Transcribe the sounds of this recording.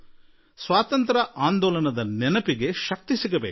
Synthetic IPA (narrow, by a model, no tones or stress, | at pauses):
sʋaːt̪ɐnt̪ɾɐʔaːnd̪ɔːlɐnɐd̪ɐnɛnɐpiɡe̞ʃɐk̚t̪isiɡɐbeːk